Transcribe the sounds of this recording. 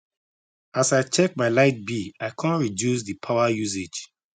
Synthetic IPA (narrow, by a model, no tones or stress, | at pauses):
asajt͡ʃɛk̚maɪlaɪt̚biaɪkʰãnɹidjus̬ðipʰaʊajus̬ed͡ʒ